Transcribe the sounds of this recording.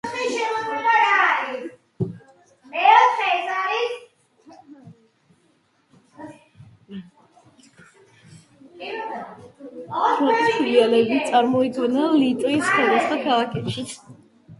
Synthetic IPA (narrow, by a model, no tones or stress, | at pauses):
ʃɛɔɛaɾaɾi | mɛɔɛsaɾis | pʰɾɔtʼisʰidialɛbit̪sʼaɾmɔid̪ɡɛnalit̪ʼuiskʰɛlasd̪akʰalˠakʰɛpʃit̪sʰ